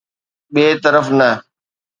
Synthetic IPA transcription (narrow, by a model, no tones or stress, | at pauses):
ɓeːt̪əɾəfnɐ